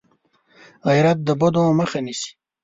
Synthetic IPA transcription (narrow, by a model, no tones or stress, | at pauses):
ɣajɾat̪̚d̪əbod̪õməxanisi̥